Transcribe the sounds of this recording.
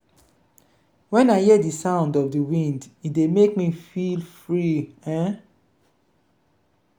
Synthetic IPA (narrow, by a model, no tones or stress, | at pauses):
wɛ̃naɪhɛdisãʊ̃ndɔfdiwĩnditdemek̚mifilfɹiɛ̃